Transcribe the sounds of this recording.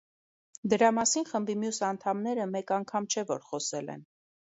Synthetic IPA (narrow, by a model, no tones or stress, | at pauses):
d̪əɾɑmɑsinχəmbimjusɑnt̪ʰɑmnɛɾəmɛkɑŋkʰɑmt͡ʃʰɛvɔɾχɔsɛlɛ̰n